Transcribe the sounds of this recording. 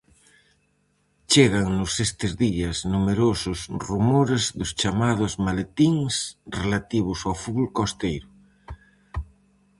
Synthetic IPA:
t͡ʃeɣaŋnʊsest̪ezðiaznumeɾosʊsrumoɾezðʊst͡ʃamað̞ozmalet̪iŋsrelat̪iβ̞ʊsawfulkost̪ejɾʊ

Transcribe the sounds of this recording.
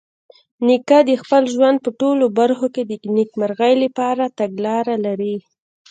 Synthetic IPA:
nikad̪əxpəlʒwand̪̚pəʈolobaɾxoked̪ənikmaɾɣajləpɑɾat̪aɡlɑɾalaɾi

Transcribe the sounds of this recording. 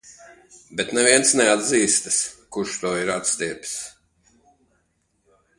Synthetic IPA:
bet̪nɛviɛnsnɛad̪ziːst̪ɨ̥skuʃt̪uɔiɾat̪st̪ʲiɛpʲs

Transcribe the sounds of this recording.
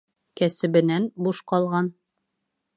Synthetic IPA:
kæsɘ̆bɘ̆nænbuʃqɑlˠʁɑn

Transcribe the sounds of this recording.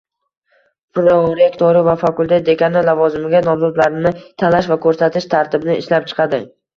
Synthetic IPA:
pɾoɾekt̪ʰoɾɪvafakulˠt̪ʰe̞t̪̚d̪ekʲʰanalːavɒzɪmɪɡʲanɒmzɒd̪laɾɪnɪt̪ʰanaʃvakʰɵɾsat̪ʰɪʃt̪ʰaɾt̪ʰɪbnɪɪʃlap̚t͡ʃʰɨ̥qʰɑd̪ɪ

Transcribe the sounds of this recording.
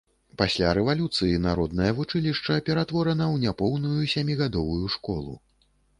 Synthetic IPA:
pasʲlʲaɾɛvalʲut̪sɨjinaɾɔd̪̚nɐjɐvut͡ʂɨlʲiʂt͡ʂɐpʲɛɾat̪vɔɾɐnɐwnʲapɔwnujusʲamʲiɣad̪ɔvujuʂkɔlˠṵ

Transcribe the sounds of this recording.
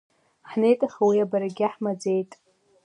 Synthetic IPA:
ħnejtʼaχawiabaɾaɡʲaħmad͡zejtʼ

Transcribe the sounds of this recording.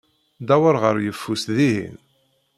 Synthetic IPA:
d̪æwəɾʁəɾjəfːusðiɦḭn

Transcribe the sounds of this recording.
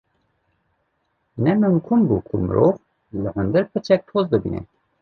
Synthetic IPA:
nɛmɨŋkʰumbukʰumə̰ɾʔov | ləhʊnd̪ɨɾpʰɨt͡ʃʰɛk̚t̪ʰoːzb̪ɨbḭnɛ̰

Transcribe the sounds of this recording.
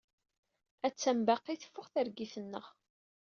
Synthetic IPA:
æt͡sːæmbæqːiθfːʊχθəɾɡiθənːə̰ʁ

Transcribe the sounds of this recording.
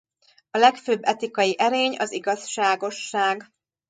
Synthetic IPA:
ɒlɛkføːbːɛt̪ikɒjiʔɛɾeːɲɒ̰ziɡɒsʃaːɡo̞ʃːaːɡ

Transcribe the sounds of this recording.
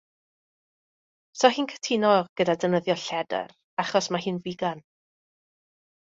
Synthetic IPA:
sɔɦiːnkʰə̥tʰinɔɡ̥ədadənəðjɔɬɛdə̰r | aχɔsmaɦɨːnviɡan

